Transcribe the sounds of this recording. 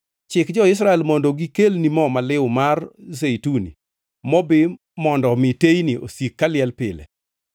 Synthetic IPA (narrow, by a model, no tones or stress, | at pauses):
t͡ʃɪkd͡ʒɔɪs̬ɾaɛlmɔndoɡikelnimɔmalɪwmarzeitunḭ | mɔbɪ | mɔndɔmɪtejniʔo̰sikːalɪɛlpɪlḛ